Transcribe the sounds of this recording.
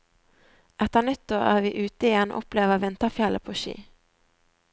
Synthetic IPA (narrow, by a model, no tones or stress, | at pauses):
ʔɛt̪əʁnʏt̪ʊæ̰ːʋiːʔʉːt̪əɪjɛn̰ːʔɔpleːʋəʋɪnt̪əfjɛləpʰoːʃḭː